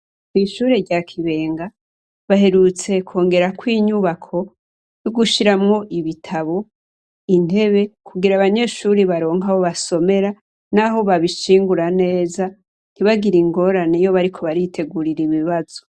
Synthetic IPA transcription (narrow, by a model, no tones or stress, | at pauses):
kwiʃuːɾe̞ɾɟakʰiβe̞ːŋɡa | βaɦe̞ɾut͡se̞kʰo̞ːŋɡe̞ɾakwiːɲuβakʰo̞ | joɡuʃiɾamŋo̞ʔiβitʰaβo̞ | in̥he̞βe̞kʰuɡiɾaβaɲe̞ʃuɾiβaɾo̞ːŋɦaho̞βaso̞me̞ɾa | naɦo̞βaβiʃiːŋɡuɾane̞ːza | n̥iβaɡiɾiŋɡo̞ɾanejo̞βaɾikʰo̞βaɾitʰe̞ɡuɾiɾiβiβaz̥o̞